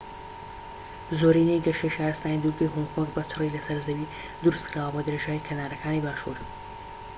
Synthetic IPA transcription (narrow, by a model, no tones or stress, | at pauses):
zoːɾinejɡɐʃejʃaːɾɨst̪aːnid̪uɡejɦoŋkʰoŋɡbɐt͡ʃʰɨrilɐsɐɾzɐwi | d̪ɨɾust̪kɾaːwəbod̪ɨɾeːʒaːjikʰɐnaːɾɐkʰaːnibaːʃṵɾ